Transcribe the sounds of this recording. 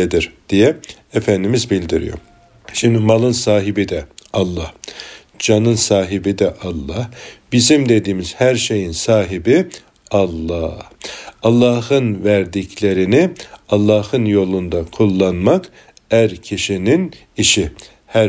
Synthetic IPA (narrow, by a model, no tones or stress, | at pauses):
ed̪iɾd̪̥ijɛ | efænd̪imizbilʲd̪iɾḭjo̰ɾ | ʃimd̪imalˠɯnsaːɦibid̪ɛɑlˠːɑh | d͡ʒanɯnsaːɦibid̪ɛʔɑlˠːɑhb̥izimd̪e̞d̪iːmiz̥hæɾʃe̞jinsaːɦibi | ɑlˠːɑːhɑlˠːɑhɯnvæɾd̪icʰlʲe̞ɾiniɑlˠːɑːhɯnjo̞lˠund̪akʰulˠːanmak | æɾcʰiʃinin | iʃi | hæ